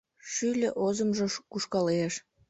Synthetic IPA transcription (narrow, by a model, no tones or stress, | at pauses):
ʃylʲeʔozə̆mʒĕkuʃkɑleʃ